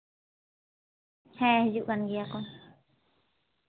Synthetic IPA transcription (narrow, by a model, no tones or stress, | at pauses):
hẽhjuʔanɡiakon